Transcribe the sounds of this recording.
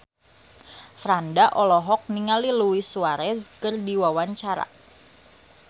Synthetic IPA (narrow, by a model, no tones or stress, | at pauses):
fɾandaʔɔlɔɦɔk̚niŋaliluwisuaɾɛskərdiwawaɲt͡ʃaɾa̰